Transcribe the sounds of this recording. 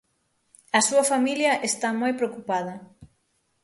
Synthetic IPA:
ɐsuɐfamiljɐʔest̪amojpɾeokupað̞ɐ

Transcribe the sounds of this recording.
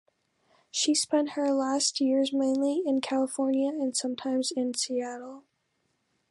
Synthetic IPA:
ʃispɛ̃nʔhə˞læst̚jɪɹzmẽɪ̃nliɪ̃nkʰælˠəfɔɹnjɨɨ̃nsʌ̃mtʰãɪ̃mzɪ̃nsiæɾl̩ˠ

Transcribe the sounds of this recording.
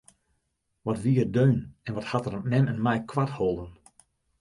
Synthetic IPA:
ʋɔtʋiərdøːnɛnʋɔthatərmɛnɛnmɛjkʰwatholˠdən

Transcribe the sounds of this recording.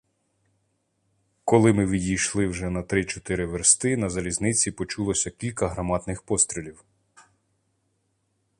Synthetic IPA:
kɔlˠɪmɪʋʲidʲijʃlˠɪwʒɛnɐt̪ɾɪt͡ʃɔt̪ɪɾɪʋeɾst̪ɪnɐzɐlʲiznɪt͡sʲipɔt͡ʃulˠɔsʲɐkʲilʲkɐɦɾɐmɑd̪nɪxpɔst̪ɾʲilʲiw

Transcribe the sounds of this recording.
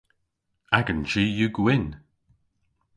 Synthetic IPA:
aɡənd͡ʒijuɡwɪn

